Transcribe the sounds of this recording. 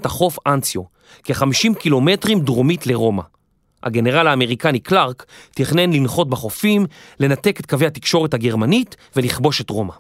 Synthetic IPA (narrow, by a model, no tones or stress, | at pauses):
taχo̞fansjo | keχamiʃimkilo̞me̞tʁimdʁomitle̞ʁo̞ma̰ | ha̰ɡe̞neʁalaːme̞ʁikaniklaʁkt̪iχnenlinχo̞t̚baχo̞fimle̞nate̞ket̪kave̞jhatikʃo̞ʁethaɡe̞ʁmanitve̞liχbo̞ʃe̞tʁo̞ma